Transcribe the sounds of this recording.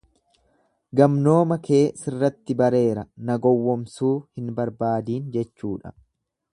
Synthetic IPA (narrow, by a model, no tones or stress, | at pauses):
ɡɐmno̞ːmɐkʰe̞ːsɪrːɐt̪ːɪbɐɾe̞ːɾɐnɐɡɔwːɔmsuːhɪnbɐɾbaːd̪iːnd͡ʒɛt͡ʃːuːᶑɐ̥̰